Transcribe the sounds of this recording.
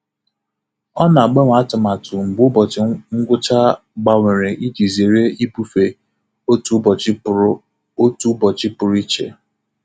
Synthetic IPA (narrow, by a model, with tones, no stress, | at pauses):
ɔ˦na˨a˨ɡ͡be˦ŋʷ˦˨a˦tʊ˨ma˨tʰʊ˨ŋ͡m̩˨ɡ͡bʊ˦bɔ˨ŋ̩˦ɡʷʊ˦t͡ʃa˦ | ɡ͡ba˨ŋʷe˨ɾe˨ʔi˦d͡ʒi˨ze˨ɾe˦i˦bu˦fe˨ | o˦tu˦b | o˦tu˦bɔ˨t͡ʃɪ˦pʊ˨ɾʊ˦i˦t͡ʃḛ˨